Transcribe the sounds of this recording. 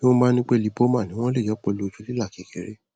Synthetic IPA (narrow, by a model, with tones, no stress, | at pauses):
ni˦õ˦mãː˦nĩ˦k͡pe˦li˨˦po˦mã˦˨nĩ˨˦w̃ɔ̃˦le˦˨jɔ˨˦k͡pɔ˧lo˨˦˨t͡ʃu˧˦li˦la˦˨ki˨˦ke˨˦ɾe˦